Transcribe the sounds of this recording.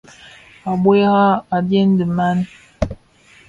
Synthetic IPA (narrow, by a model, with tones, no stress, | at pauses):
a˨ɓwe˦ɣa˦a˨dje˦n˦də˨ma˦n˦